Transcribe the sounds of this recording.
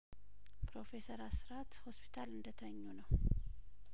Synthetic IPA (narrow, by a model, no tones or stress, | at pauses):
pʰɾo̞fe̞səɾasɨɾat̪hospʰi̥t̪ʰalɨnd̪ət̪ʰəɲːunəw